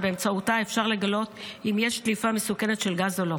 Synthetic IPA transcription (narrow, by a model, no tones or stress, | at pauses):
beːmt͡sautaefʃaʁle̞ɡalo̞timjeʃt̪lifamesukene̞t̪ʃe̞lɡazolo̞